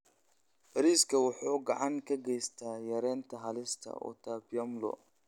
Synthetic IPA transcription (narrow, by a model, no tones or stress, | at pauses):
ɾiskʰɐwʊħuːɡɑʕɑŋkʰɐɡɛjst̪ʰaːjɐɾɛːnt̪ʰɐɦɐlɪst̪ʰɐ̰ʔɔ̰t̪ʰaːbjɐmlɔ̰